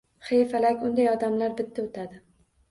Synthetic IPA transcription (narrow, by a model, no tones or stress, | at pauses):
χejfalakʲʊnd̪ajɒd̪amlaɾbɪt̪ʰːaot̪ʰad̪ɪ